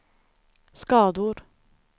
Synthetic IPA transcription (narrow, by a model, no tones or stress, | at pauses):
skɑːd̪uːɾ